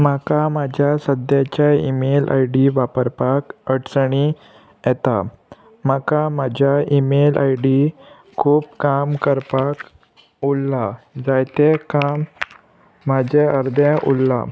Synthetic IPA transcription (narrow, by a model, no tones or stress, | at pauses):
makamad͡ʑʱjasəd̪jat͡ɕaḭmelʔa̰jɖiʋapəɾpakəɽsɳi | jɛt̪a | makamad͡ʑʱjaimelʔa̰jɖi | kʰuːp̚kamkəɾpak | ulːad͡zajt̪ekamː | ad͡ʑeʔəɾd̪ʱẽʔṵlːa̰